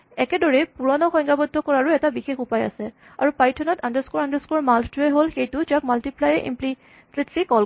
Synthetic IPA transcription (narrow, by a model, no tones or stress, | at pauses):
ɛkɛdɔɹɛpuɹɔnɔxɔjŋɡabɔdʱːɔkɔɹaɹuɛtabixexupaja̰sɛ | a̰ɹupajtʰɔnɔtandəɹskuɹandəskɔɹmaltuɛɦolxejtʊd͡ʒak̚maltiplajɛʔḭmpli | sletʰlikɔl